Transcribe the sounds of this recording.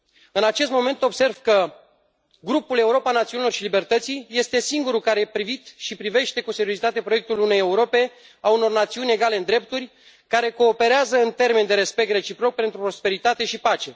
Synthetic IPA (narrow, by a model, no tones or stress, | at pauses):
ɨnat͡ʃe̞st̪mo̞me̞nt̪o̞bse̞rv̥kə | ɡɾupule̞uɾo̞panat̪siunilo̞rʃilibe̞rt̪ət̪sijje̞st̪e̞siŋɡuɾukaɾepɾivit̪ʃipɾive̞ʃt̪e̞kuse̞ɾiozit̪at̪e̞pɾoek̚t̪ulune̞jeuɾo̞pe̞ | auno̞rnat̪siunʲe̞ɡale̞ɨnd̪ɾe̞p̚t̪urʲ | kaɾe̞ko̞ːpe̞ɾeazəɨnt̪e̞rme̞nd̪e̞ɾe̞spek̚t̪re̞t͡ʃipɾo̞k̚pe̞nt̪ɾupɾo̞spe̞ɾit̪at̪e̞ʃipat͡ʃe̞